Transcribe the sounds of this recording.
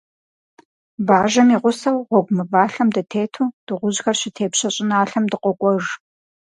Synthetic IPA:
baːʒɐmiːʁʷʊsɐwʁʷɔɡʷʼmɨvaːɬɐmdɐtʰeːtʰuːd̥ɨʁʷʊʑxɐrɕɪtʰeːpɕɐɕʼɪnaːɬɐmdɨqʷʼɔkʷʼɔʒ

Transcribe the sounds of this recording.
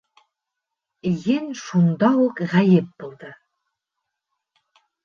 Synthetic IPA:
jɘnʃund̪ɑukʁæjɘp̚b̥ulˠd̪ɤ

